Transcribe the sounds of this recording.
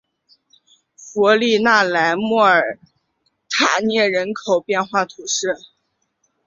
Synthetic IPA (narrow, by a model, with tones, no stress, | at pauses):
fɔ˧˥li˥˧na˥˩la˧˥ɪmwɔ˥˩ə˞˨˩˥ | t̪ʰa˨˩njɛ˥˩ɻə˧˥nkʰo˨˩ʊpjɛ˥˧nxwa˥˩t̪ʰu˧˥ʂɻ̩˥˩